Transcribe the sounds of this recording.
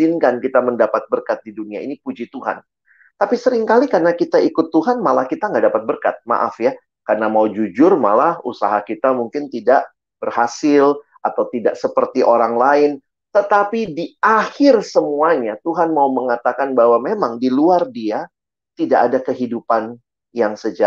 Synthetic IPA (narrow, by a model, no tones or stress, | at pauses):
ɪnkankit̪aməndapat̪̚bərkat̪̚diduniainikud͡ʒit̪uɦa̰n | t̪apisəɾɪŋkalikarnakit̪aikʊt̪ːuɦanmalahkit̪aŋɡaʔdapat̪̚bərka̰t̪̚ma̰ʔa̰fja | karnamaud͡ʒud͡ʒʊrma̰lahṵsa̰ɦakit̪amuŋkɪnt̪idaʔ | b̥ərhasɪl | at̪awt̪idaʔsəpərt̪iʔoɾaŋlaɪn | t̪ət̪apidiahɪrsəmuaɲat̪uɦanmauməŋat̪akanbaɦwamemaŋdiluardia | t̪idaʔadakəɦidupan | jaŋsəd͡ʒa